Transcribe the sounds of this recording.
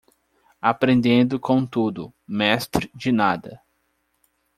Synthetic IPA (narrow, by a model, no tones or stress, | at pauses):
apɾẽnd̪ẽnd̪ʊkõt̪ud̪ʊmɛst̪ɾɪd͡ʒɪnad̪ɐ